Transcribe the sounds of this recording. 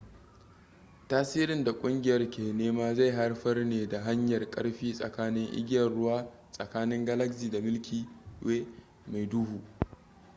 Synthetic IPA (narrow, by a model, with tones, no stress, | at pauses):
taː˦siː˦ɾɪ˨nda˨kʷʼʊ˦ŋɡʲɪ˨jɐ˦rkʲeː˨neː˦maː˦za˦˨jɦa˦rɸɐ˦rneː˨da˨ɦa˦ɲjɐ˨rkʼɐ̰˦ɽɸiː˦sʼɐ̰˨kaː˦nɪ˦ŋʔɪ̰˦ɡʲjɐ˨rɽʊ˦waː˦ | sʼɐ˨kaː˦nɪ˦ŋɡɐ˦lɐ˦ksiː˨da˨mɪ˦lkʲiː˨weː˦ | ma˨jdu˦huː˨ʔ